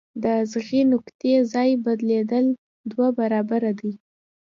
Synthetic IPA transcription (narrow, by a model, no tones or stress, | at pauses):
d̪əzɣinʊkt̪ezɑjbad̪led̪əl | d̪wabaɾɑbaɾad̪ij